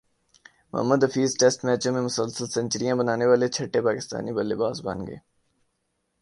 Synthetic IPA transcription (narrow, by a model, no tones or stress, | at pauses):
mʊ̰ɦə̰mːəd̪ɐfiːzʈɛːsʈmɛːt͡ʃõmẽmʊsəlsəlsɐ̃nt͡ʃɾijãbənaːneʋaːlet͡ʃʰɐʈːepaːkɪst̪a̰ːnibɐlːebaːsba̰nɡḛː